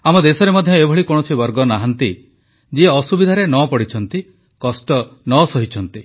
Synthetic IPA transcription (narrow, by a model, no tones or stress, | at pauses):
amɔd̪esɔɾemɔd̪ʱjɔebʱɔɭikoɽ̃ɔsibɔɾɡɔnaɦant̪i | d͡ʒieɔsubid̪ʱaɾenɔpɔɽit͡ʃʰɔnt̪i | kɔsʈɔnɔsɔɦit͡ʃʰɔnt̪i